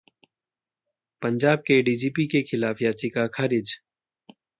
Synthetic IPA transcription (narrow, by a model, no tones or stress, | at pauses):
pənd͡ʒaːb̚keɖiːd͡ʒiːpikekʰɪlaːfjaːt͡ʃikakʰaɾɪd͡ʒ